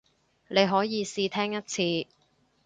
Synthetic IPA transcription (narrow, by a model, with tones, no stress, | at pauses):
ne˨˧jɦɔː˨˥jiː˨˧siː˧t̪ʰɛː˥ŋjɐ˥t̚t͡sʰiː˧